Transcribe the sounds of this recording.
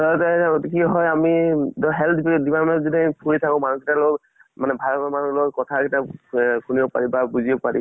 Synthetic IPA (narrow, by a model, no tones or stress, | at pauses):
ɔtɛaɡotikiɦɔjamidɔɦɛlt̪ʰbdibaɹmɛntzidipʰuɹit̪ʰakɔ̃manukitalo | manɛbʱalkɔmanulokɔtʰakitakʰunibɔpa̰ɹibabuzibɔpaɹḭ